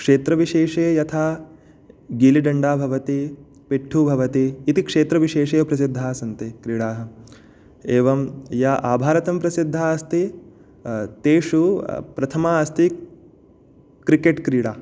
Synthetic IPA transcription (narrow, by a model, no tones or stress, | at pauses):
kʂeːt̪ɾɐʋiʃeːʂeːjɐt̪ʰaː | ɡiliɖɐɳɖaːbʱɐʋɐt̪i | peʈʰːubʱɐʋɐt̪iːt̪ikʂeːt̪ɾɐʋiʃeːʂeːpɾɐsid̪ʱːaːsɐnt̪ikɾiːɽaːɦɐ̆ | eːʋɐmjaʔaːbʱaːɾɐt̪ɐmpɾɐsid̪ʱːaːɐst̪i | t̪eːʂupɾɐt̪ʰɐmaːɐst̪i | kɾikeʈkɾiːɽaː